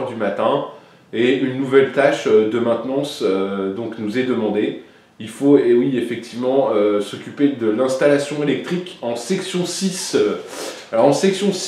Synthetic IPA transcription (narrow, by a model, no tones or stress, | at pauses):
ʁd̪ymat̪ɛ̃ | eynːuvɛlt̪aʃød̪əmɛ̃t̪nɑ̃sød̪ɔ̃knuzɛd̪əmɑ̃d̪e | ilfoewiefɛk̚t̪ʰivmɑ̃øsɔkʲyped̪əlɛ̃st̪alasjɔ̃elɛk̚t̪χikɑ̃sɛksjɔ̃sisøalɔʁɑ̃sɛksjɔ̃s